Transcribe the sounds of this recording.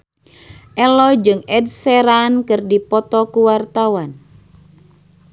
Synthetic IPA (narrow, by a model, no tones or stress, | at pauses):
ʔɛlɔd͡ʒɨŋɛdsɛɾankɨrdipɔt̪ɔkuwart̪awan